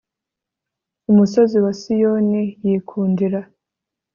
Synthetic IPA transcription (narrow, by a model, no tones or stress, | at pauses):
umuso̞ziwasijo̞nijiːkʰuːndiɾa